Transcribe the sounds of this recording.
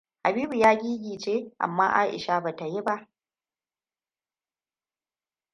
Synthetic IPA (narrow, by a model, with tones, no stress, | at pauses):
ha˨biː˦bu˨jaː˦ɡʲiː˦ɡʲiː˨t͡ʃeː˦ʔa̰˨mːa̰ː˦ʔa̰ː˦ʔɪ̰˨ʃa˦ba˨ta˨ji˦ba˦ʔ